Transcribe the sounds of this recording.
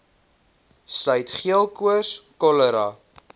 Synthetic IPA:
slœɥtχiəlˠkuəskɔləɾɑ

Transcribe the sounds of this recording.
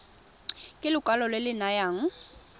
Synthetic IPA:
kʼɪlʊkʼalɔlwɪlɪnajaːŋ̩

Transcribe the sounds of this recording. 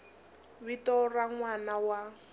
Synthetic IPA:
βitɔraŋwanawa

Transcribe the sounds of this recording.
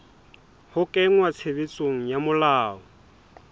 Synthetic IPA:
hʊkʼɛŋwat͡sʰebet͡sʼoŋ̩jamʊlaːɔ

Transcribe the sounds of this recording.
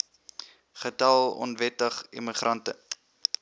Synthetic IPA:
χətɐlˠɔ̰nvɛtəχḭmiχrɐntə

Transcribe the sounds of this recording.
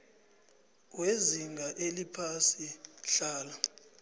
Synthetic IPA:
weziŋɡʱaʔelipʰasiɬaːla

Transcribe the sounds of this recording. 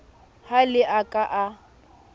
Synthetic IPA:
halɪʔakʼaʔa

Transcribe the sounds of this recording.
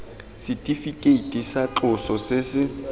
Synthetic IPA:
sɪtʼifikʼeitʼisaǁʊsɔsɪsɪ

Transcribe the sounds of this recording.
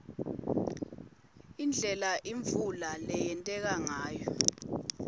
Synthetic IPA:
ind͡ɮʱɛlaʔiɱfulalɛjɛntʼɛk̬aŋaːjɔ

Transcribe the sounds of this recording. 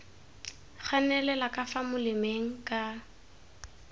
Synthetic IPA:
χanɛlɛlakʼafamʊlɪmeŋ̩kʼa

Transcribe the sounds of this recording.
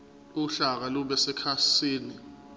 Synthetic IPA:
uɬak̬aluɓɛsɛkʰasiːni

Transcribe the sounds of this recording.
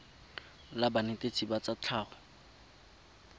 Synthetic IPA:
labanetʼet͡sʼibat͡sat͡ɬʰaːχɔ

